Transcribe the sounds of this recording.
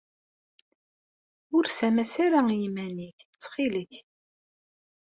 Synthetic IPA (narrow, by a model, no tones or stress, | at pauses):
ʊɾsæmæsaɾajimæniçt͡sːχiləç